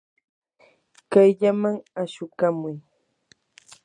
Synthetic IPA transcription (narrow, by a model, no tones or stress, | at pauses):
kajʎamaŋaʃʊkamʊj